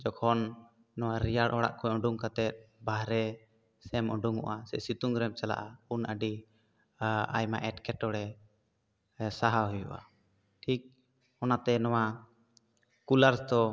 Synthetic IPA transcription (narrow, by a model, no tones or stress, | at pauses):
d͡ʒɔkʰɔnː | ɔwaɾijaɽʔɔɽa̰ʔkʰɔjɔ̃ɖuŋkat̪ɛt̪̚baɦɾɛ | sɛmɔɖuŋɔ̰ʔasɛsit̪uŋɡɾɛm̚t͡ʃala̰ʔaunəɖi | a̰jmaʔɛʈkɛʈɔɽɛ | saɦaɦɔjṵʔa̰ | ʈʰik̚ | ɔnat̪ɛnɔwa | kulaɾsd̪ɔ